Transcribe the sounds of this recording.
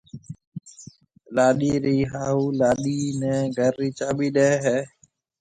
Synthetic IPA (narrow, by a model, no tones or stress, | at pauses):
laːɗiːɾiːɦaːuːlaːɗiːnɛ̃ːɡʱəɾːiːt͡ʃaːɓiːɗeːɦɛː